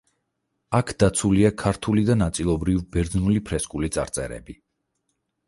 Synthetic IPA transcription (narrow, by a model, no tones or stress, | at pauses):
akʰd̪̥at̪sʰuliakʰaɾt̪ʰulid̪anat̪sʼilˠɔbɾivbɛɾd̪znulipʰɾɛskʼulit̪sʼa̰ɾt̪sʼɛ̰ɾɛ̰bi